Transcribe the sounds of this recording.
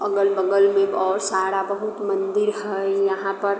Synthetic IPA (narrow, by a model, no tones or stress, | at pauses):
ɐɡəlbəɡəlmẽɔːɾsaːɽabəɦut̪mə̃nd̪ɪɾɦɛjɐɦãpɐɾ